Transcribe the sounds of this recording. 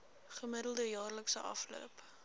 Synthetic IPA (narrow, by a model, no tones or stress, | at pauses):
χəmədəlˠdəjɑːrləksəʔɐflṵəp